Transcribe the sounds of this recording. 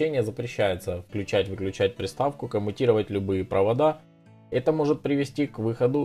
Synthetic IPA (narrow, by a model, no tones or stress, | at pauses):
enʲɪjəzəpɾʲɪɕːæjɪt̪səfklʲʉt͡ɕætʲvɨklʲʉt͡ɕæt̚ʲpɾʲɪst̪afkʊkəmʊtʲiɾəvətʲlʲʊbɨjɪpɾʔəvɐd̪a | ɛt̪əmo̞ʐɨt̪̚pɾʲɪvʲɪsʲtʲikvɨxəd̪ʊ